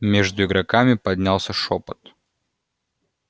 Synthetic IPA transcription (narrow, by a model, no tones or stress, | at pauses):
mʲeʐd̪ʊɪɡɾɐkamʲɪpɐdʲnʲalˠsʲəʂopət̪